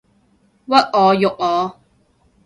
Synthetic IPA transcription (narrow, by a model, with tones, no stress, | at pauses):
wɐ˥t̚ɔː˨˧jʊ˨k̚ɔː˨˧˦